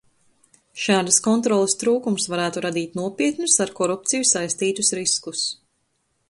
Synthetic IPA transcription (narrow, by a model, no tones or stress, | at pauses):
ʃaːd̪askɔnt̪ɾɔlˠest̪ɾuːkumsvaɾæːt̪uɾad̪iːt̪nuɔpʲiɛt̪nusaɾkɔɾup̚t̪sijusajst̪iːt̪usɾiskus